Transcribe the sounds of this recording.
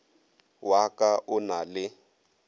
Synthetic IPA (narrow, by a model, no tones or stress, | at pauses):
wakʼaʔʊnalɪ